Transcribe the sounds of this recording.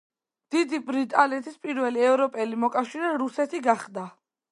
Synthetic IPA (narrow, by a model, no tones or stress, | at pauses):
d̪̥id̪ibɾit̪ʼalɛt̪ʰispʼiɾvɛliɛvɾɔpʼɛlimɔkʼafʃiɾɛɾusɛt̪ʰiɡaχd̪a